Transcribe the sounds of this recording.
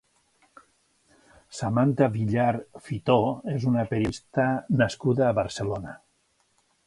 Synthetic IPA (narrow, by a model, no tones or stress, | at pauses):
samant̪aβiʎaɾfit̪oezunapeɾist̪ənəskuðaːβəɾselona